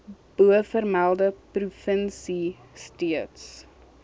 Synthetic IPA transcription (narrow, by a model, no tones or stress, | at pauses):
b̥uəfərmælˠdəprufənsi | stiəts